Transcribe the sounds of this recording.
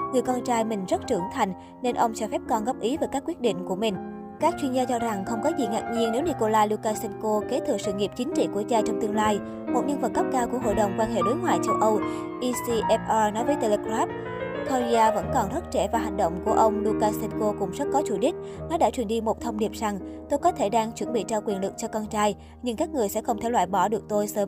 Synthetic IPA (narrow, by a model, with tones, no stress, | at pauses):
ŋɨ˨˩əjkɔ˧nt͡ɕaː˧jmï˨˩ŋ̟zə˦˥t̚t͡ɕɨ˧˩əŋt̪ʰa˨˩jŋ̟ | ne˧nʔə˧wŋ͡mt͡ɕɔ˧fɛ˦˥p̚kɔ˧˩nɣɔ˦˥p̚ʔi˨˦vaː˨˩jkaː˦˥kwi˦˥ət̚ɗḭ˧˨ŋ̟ku˧˩əmï˨˩ŋ̟ | kaː˦˥k̚t͡ɕwi˧ənzaː˧t͡ɕɔ˧za˨˩ŋxə˧wŋ͡mkɔ˨˦zḭ˨˩ŋaː˨˩k̚ɲi˧ənne˨˦wni˧ko˧laː˧lu˧kaː˧sɛ˧nko˧ke˨˦t̪ʰɨ˨˧˨sɨ̰˧˨ŋi˨˩əp̚t͡ɕï˨˦ŋ̟t͡ɕḭ˧˨ku˧˩əzaː˧t͡ɕɔ˧wŋ͡mt̪ɨ˧əŋlaː˧j | mo˨˩t̚ɲə̰˧ŋvə˨˩t̚kə˦˥p̚kaː˧wku˧˩əɦo̰˧˨ɗə˨˩wŋ͡mkwaː˧nɦḛ˧˨ɗoː˨˦jŋwaː˧˨jt͡ɕə˧wʔə˧w | ʔi˧si˧ʔɛ˧˥p̚ʔaː˧nɔ˨˦jvəː˨˦jt̪e˧le˧kɾaː˦˥p̚ | kʰɔ˧zi˧aː˧və̰˧˥nkɔ˨˩nt̪ʰə˦˥t̚t͡ɕe˧˩vaː˨˩ɦa˨˩ŋ̟ɗə̰˧˨wŋ͡mku˧˩əʔə˧wŋ͡mlu˧kaː˧sɛ˧nko˧kʊ̰˧˥ŋ͡mzə˦˥t̚kɔ˨˦t͡ɕu˧˩ɗï˦˥k̟̚nɔ˨˦ɗaː˧˥t͡ɕwi˨˩ənɗi˧mo˨˩t̚t̪ʰə˧wŋ͡mɗi˨˩p̚za˨˩ŋt̪o˧jkɔ˨˦t̪ʰe˧˩ɗaː˧ŋt͡ɕwə˧˩nɓḭ˧˨t͡ɕɔ˧kwi˨˩ənlɨ˨˩k̚t͡ɕɔ˧kɔ˧nt͡ɕaː˧j | ɲɨ˧ŋkaː˦˥k̚ŋɨ˨˩əjsɛ̰˧˥xə˧wŋ͡mt̪ʰɛ˧˩lwa̰ː˧˨jɓɔ˧˩ɗɨ˨˩ək̚t̪o˧jsəː˨˦m